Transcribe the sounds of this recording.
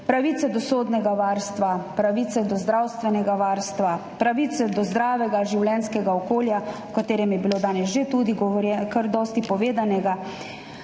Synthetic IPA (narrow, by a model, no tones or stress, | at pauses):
pɾaʋiːt̪sɛd̪ɔsoːd̪nɛɡaʋaːɾst̪ʋapɾaʋiːt̪sɛd̪ɔzd̪ɾaːwst̪ʋɛnɛɡaʋaːɾst̪ʋapɾaʋiːt̪sɛd̪ɔzd̪ɾaːʋɛɡaʒiwlɛnskɛɡaɔkoːljawkat̪eːɾɛmjɛbiloːd̪aːnɛsʒet̪ud̪iɡɛkəɾd̪ɔst̪ipɔʋeːd̪anɛɡa